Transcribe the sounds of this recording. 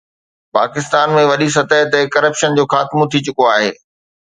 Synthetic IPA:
pa̰ːkɪst̪aːnmẽʋɐɗis̬ɐt̪əɦt̪ekɐɾəpʃənd͡ʑoːxaːt̪mõt̪ʰit͡ɕʊkoaːɦḛː

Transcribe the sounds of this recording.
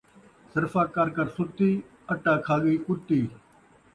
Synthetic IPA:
səɾfaːkaɾkəɾsʊt̪iː | əʈaːkʰaːɠiːkʊt̪iː

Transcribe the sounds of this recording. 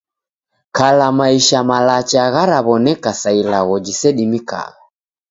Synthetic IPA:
kalamaiʃamalat͡ʃaɣaɾaβɔnɛkasailaɣɔd͡ʒisɛɗimika̰ɣa

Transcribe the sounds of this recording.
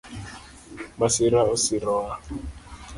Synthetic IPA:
masiɾaosiɾɔa

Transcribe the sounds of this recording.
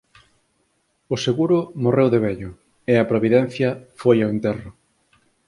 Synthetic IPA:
ʊseɣuɾʊmorewðeβɛʎʊ | eɐpɾoβiðɛn̟θjɐfojawent̪ɛrʊ

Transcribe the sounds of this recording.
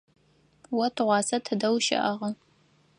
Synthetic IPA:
wɐtʰɨʁʷɑːsɐtʰɨdɐwʃɐ̰ʔɐʁɐ

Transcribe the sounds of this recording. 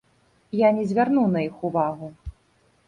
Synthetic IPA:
janʲɛzʲvʲarnuwnɐixuvaɣu

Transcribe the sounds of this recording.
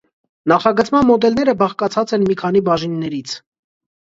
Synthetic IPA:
nɑχɑɡət͡sʰmɑnmɔd̪ɛlnɛɾəbɑχkɑt͡sʰɑt͡sɛnmikʰɑn̪ibɑʒinːɛɾit͡sʰ

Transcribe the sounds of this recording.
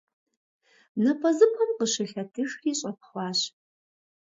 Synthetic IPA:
nɐpʰɐzɨpʰɐmqəʃɪɬɐtʰɨxiːɕʼɐp̚χʷɑːɕ

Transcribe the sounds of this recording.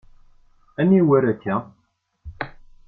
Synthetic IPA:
æniwæɾækːæ

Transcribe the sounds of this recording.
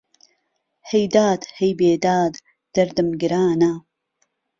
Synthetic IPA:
hejd̪aːd̪hejbeːd̪aːd̪ | d̪̥ɐɾd̪ɨmɡɨɾaːna

